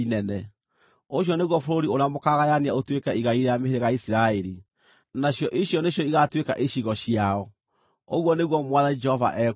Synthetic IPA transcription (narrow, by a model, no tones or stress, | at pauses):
inɛnɛ | oɕ̬jɔneɣwɔfoɾoɾioɾeamokaɣajaniaotwekɛiɣaiɾejameɦeɾeɣaisiɾaeɾi | naɕjɔʔiɕjɔneɕjɔiɣatweka̰ʔiɕiɣɔɕiaɔ | oɣwɔneɣwɔmwaðanid͡ʒɛhɔva̰ʔɛ